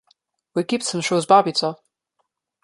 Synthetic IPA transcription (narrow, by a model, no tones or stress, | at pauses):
wikiˑpsə̃mʃɔzbabitʰə